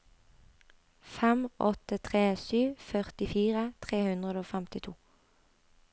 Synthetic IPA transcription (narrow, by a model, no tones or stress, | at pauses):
fɛmʔɔt̪ət̪ʰʁeːsyːfœʁt̪ɪfiːʁət̪ʰʁeːhʉnd̪ʁəd̪oːfɛmt̪ɪt̪ʰuː